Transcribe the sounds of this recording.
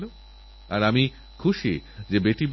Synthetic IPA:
lo | aɾami | kʰuʃḭd͡ʑebeʈib

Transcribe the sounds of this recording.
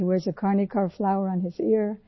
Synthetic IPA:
iwɛɹzɨkʰɑɹnikʰɑɹflaʊə˞ə̃nɪzɪɹ

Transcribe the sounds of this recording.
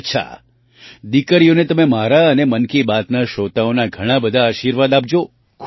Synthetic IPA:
tːt͡ʃʰa̰ | d̪ikəɾijonet̪əmemaɾaənemənkibat̪naʃot̪aonaɡʱəɽ̃ãbəd̪ʱaːʃiɾʋad̪ap̚d͡ʒo | kʰ

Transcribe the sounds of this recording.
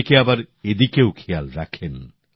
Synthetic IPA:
keabaɾed̪ikeokʰejalɾakʰen

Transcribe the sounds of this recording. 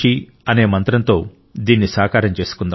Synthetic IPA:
i | ɐne̞ːmɐnt̪ɾɐnt̪o̞ː | d̪iːnːisaːkaːɾɐmt͡ʃe̞ːsu̥kund̪ɐ

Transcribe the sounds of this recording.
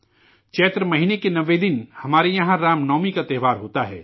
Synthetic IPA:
t͡ʃɛːt̪ɾəmɐɦiːnekenɐʋed̪ɪnhɐmaːɾejɐɦãɾaːmnɔːmikat̪ɛːʋaːɾɦoːt̪aɦɛ̰ː

